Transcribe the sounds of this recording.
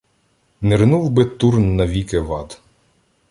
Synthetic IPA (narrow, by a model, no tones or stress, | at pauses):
nɛɾnuwbɪt̪urnːɐʋʲikeʋɑd̪